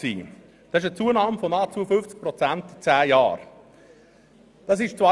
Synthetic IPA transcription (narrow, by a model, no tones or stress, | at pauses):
sḭː | d̥ɑsɪʃ̬ət͡suːənɑːmfɔnɑːt͡suəfʏft͡sk̚pɾɔt͡sænt̪it͡sæːjɑ̰ːɾ | d̥ɑs̬ɪʃt͡sva